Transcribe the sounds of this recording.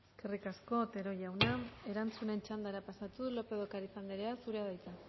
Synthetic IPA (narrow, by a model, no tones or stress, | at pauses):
eskerikasko̞t̪e̞ɾo̞ʝawnae̞ɾant͡sune̞nt͡ʃand̪aɾapasat̪uðulo̞pe̞ðo̞kaɾisand̪eɾeasuɾe̞aðajt͡s̪a